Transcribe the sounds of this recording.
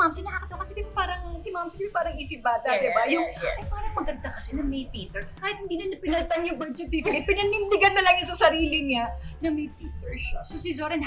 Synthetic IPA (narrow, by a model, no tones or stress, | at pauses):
mamsɪnɐhɐkɐt̪ːɐwkɐsɛd̪ɪmpaːɾɐŋsɪmamsɪd̪ɪmɪpaːɾɐŋʔiːsɪp̚baːt̪ɐd̪ɪbajʊŋʔɐjpaːɾɐŋmɐɡɐnd̪akɐsɛnɐmɐjpiːt̪ɛɹkaːhɪt̪hɪnd̪iːlɐnːɐpɪnɐlt̪ɐŋjʊŋbɛd̪t͡ʃʊt̪iːt̪ɪkɐpɪnɐnɪnd̪ɪɡanːɐlɐŋjɐsɐsɐɾiːlɪɲanɐmɐjpiːt̪ɛɹʃasos̬izoɾɐn